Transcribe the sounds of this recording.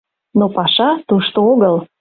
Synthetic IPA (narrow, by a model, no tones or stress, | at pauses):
nopɑʃɑt̪uʃt̪ooɣəl